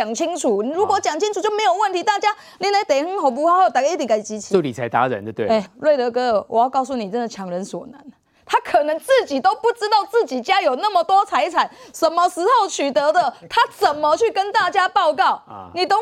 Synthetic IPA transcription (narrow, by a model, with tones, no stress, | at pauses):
a˨˩ŋt͡ɕʰi˦ŋt͡sʰu˨˩˨ɻu˨˥kwɔ˧˦t͡ɕja˨˩ŋt͡ɕʰi˦ŋʈ͡ʂʰu˨˩t͡ɕjo˥˩ʊmẽ˨˥ɪjo˨˩ʊwə˥˨nt̪ʰi˧˦˥t̪a˥˨t͡ɕja˦ | ni˥nla˧˥ɪt̪e˨˩ɪxə˥ŋɦo˨˩ʊp̬u˧˥ha˥˦o˥˧ʊt̪a˨˩kt̪̬ka˥˩˨t͡ɕi˧˥t͡ɕʰo˥˩li˨˩t͡sʰa˧˦ɪt̪a̰˧˦ɻa̰˨nd̪ə˦t̪we˥˩e˩˥˧ɻwe˥˩ɪt̪ə˧˦kɤ˧˦˧wʔɔ˨˩jɑ˥˧ʊkɑ˥˧ʊs̬u˥˩ni˨˩t͡sə˦˥nd̪ə˨˩t͡ɕʰjɑ˨˩ŋɻə˨˦nswɔ̰˨˩nə˨˦n | t̪ʰa˥kʰɤ˨˩nə˧˦ŋt͡s̩˥˩t͡ɕi˨˩t̪o˥ʊpu˥˩ʈ͡ʂɻ̩˥t̪ɑ˥˧ʊt͡sɹ̩˥˩t͡ɕi˨˩t͡ɕja˦˥jo˨˩ʊna˥˨mə˨t̪wɔ˦˥t͡sʰa˧˥ɪt͡sʰa˨˩˦nsə˨˩nmə˧ʂɻ̩˧˥xo˥˩ʊt͡ɕʰy˨˩t̪ə˨˧˦d̪ə˨t̪ʰa˦t͡sə˨˩nmə˨t͡ɕʰy˥˩kə˦˥nt̪a˥˩t͡ɕja˥pɑ˥˧ʊkɑ˥˩ʊni˨˩t̪o˥